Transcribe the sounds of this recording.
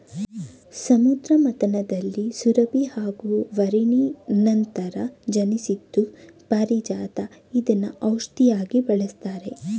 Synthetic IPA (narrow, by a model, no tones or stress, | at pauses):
sɐmud̪ɾɐmɐt̪ɐnɐd̪ɐlːisuɾɐbihaːɡuʋɐɾiɳinɐnt̪ɐɾɐd͡ʒɐnisid̪ːupaɾid͡ʒaːt̪ɐid̪ɐnːɐʔɐwʂt̪ijaːɡibɐɭest̪aːɾe̞